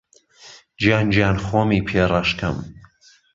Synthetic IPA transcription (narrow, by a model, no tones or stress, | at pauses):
d͡ʒjaːnd͡ʒjaːnxoːmiːpʰeːrˤɑʃkʰɐ̰m